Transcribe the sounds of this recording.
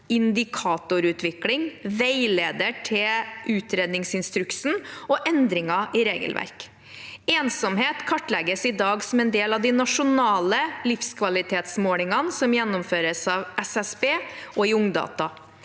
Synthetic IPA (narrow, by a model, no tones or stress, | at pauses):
ɪnd̪ɪkʰɑːt̪ʊɾʉːt̪ʰʋɪklɪŋʋæɪleːd̪əʈʰɪʔʉːt̪ɾeːd̪nɪŋsɪnst̪ɾʉksn̩ɔʔɛnd̪ɾɪŋɑʔɪɾeːɡə̰lʋʔæ̰ɾk | eːnsɔmheːt̪kʰɑʈːlɛɡəsɪd̪ɑːɡsɔmɛnd̪eːlɑʋd̪ɪnɑʂʊnɑːləlɪfskʰʋɑlɪt̪ʰeːt̪smoːlɪŋɑnsɔmjɛnːɔmføːɾəsɑːʋʔɛsɛsbeːʔɔɪʊŋd̪ɑ̰ːt̪ɑ